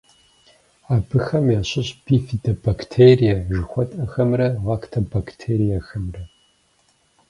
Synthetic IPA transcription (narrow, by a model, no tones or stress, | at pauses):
aːbɨxɐmjaːɕɪɕb̥ifidɐbaktʰeːrijɐʒɨxʷɔtʼɐxɐmrɐʁaːktʰɐbaktʰeːɾijɐxɐmrɐ